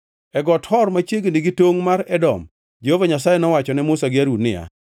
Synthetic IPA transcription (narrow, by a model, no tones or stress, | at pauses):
ɛɡɔthɔrmat͡ʃjeɡeniɡitoŋmaɾɛdɔ̰m | d͡ʒehovaɲasajɛnɔwat͡ʃɔnɛmʊsaɡɪaɾunɪ̰ja̰